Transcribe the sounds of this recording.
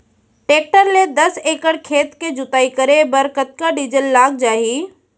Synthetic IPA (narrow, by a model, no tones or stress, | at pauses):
ʈeːk̚ʈəɾled̪ɐseːkəɽkʰeːt̪ked͡ʒʊt̪aːikɐɾebɐɾkət̪̚kaɖid͡ʒəlːaːɡ̚d͡ʒaːɦiː